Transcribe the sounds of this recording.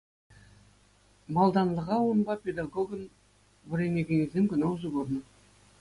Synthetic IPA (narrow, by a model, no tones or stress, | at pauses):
mɑlˠd̪ɑnlˠəʁɑwonbɑpʲed̪ɑɡoɡən | bɪɾenekʲeŋezd̪emkʲʏnɑwzuɡoɾnə